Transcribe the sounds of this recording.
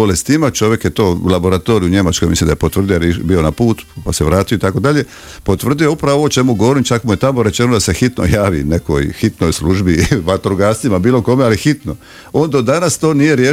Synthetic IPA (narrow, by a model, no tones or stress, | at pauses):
olest̪imat͡ʃo̞ʋje̞kje̞t̪o̞ːlabo̞ɾat̪o̞ɾiuɲe̞mat͡ʃko̞jmislimd̪ajepot̪ʋr̩d̪ijoɾebio̞napuːt̪pase̞ʋɾaːt̪ijoit̪ako̞d̪aʎe̞ | po̞t̪ʋr̩d̪ijoupɾaʋoʋot͡ʃe̞muɡoʋoɾimt͡ʃakmuje̞t̪amo̞ɾe̞t͡ʃe̞nod̪asexit̪no̰jaːʋḭneko̞̰jxit̪nojsluʒbiʋat̪ɾoɡasimabiːlˠo̞ko̞me̞alixit̪no̞ | o̞ːnd̪od̪anast̪o̞ːnije̞ɾjeː